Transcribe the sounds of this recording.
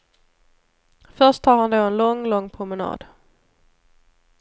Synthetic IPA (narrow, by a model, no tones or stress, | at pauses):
fœɾʂttɑːɾhand̪oːɛnlɔŋːlɔŋːpʰɾʊmɛnɑ̰ːd̪̥